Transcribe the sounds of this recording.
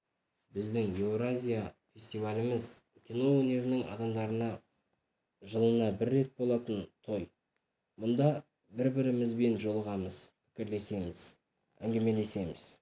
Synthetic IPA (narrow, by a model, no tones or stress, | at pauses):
bɪzd̪ɪŋjewɾazʲijafʲe̞sʲt̪ivalʲɪmɪz | kʲʰino̞wɵne̞ɾɪnɪŋɑ̰d̪ɑmd̪ɑɾənɑ | ʒəlˠənɑbɪɾːe̞t̪̚bo̞lˠɑt̪ənt̪ʰo̞j | mʊnd̪ɑ | bɪɾbɪɾɪmɪzbe̞nʒo̞lˠəʁɑməz̥pʰɪ̥kʲɪɾle̞se̞mɪz̥ | æŋɡʲe̞me̞le̞se̞mɪz̥